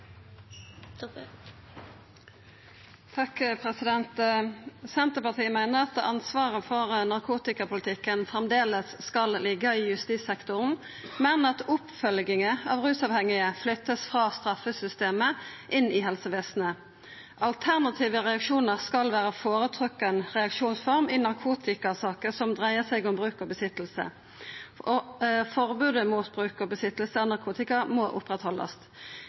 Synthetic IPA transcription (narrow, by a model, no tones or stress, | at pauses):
t̪ʰɑkpʰʁɛsɪd̪ɛnt̪ | sɛnt̪əpɑʁt̪ʰiːəmæɪnəʁɑt̪ɑnsʋɑːʁəfɔʁnɑʁkʰuːt̪ɪkɑpʰʊlɪt̪ʰɪkːənfʁɛmd̪eːləsːkɑllɪɡəijʉst̪iːsɛkt̪ʊʁn̩ | mɛnɑt̪ʊpfœlɡɪŋəɑ̰ːʋʁʉːsɑʋhɛŋɪəflʏt̪ːəsfʁɑːst̪ʁɑfəsʏst̪eːməʔɪnɪɦɛlsəʋeːsnə | ʔɑlt̪ʰæʁnɑt̪ʰiːʋəʁɛɑkʂuːnəʁskɑlʋæːʁəfoːɾət̪ʰʁʉkːɛnʁɛɑkʂuːnsfɔʁmɪːnɑʁkʰuːt̪ɪkɑsɑːkəsɔmd̪ʁæɪəsɛɪɡʊmbʁʉːkɔbəsɪt̪l̩sə̰ | ɔfɔʁbʉːd̪əmuːt̪bʁʉːkɔbəsɪt̪əl̩səɔnɑʁkʰuːt̪ɪkɑmɔʔʊ̰pʁɛt̪hɔlɑ̰st̪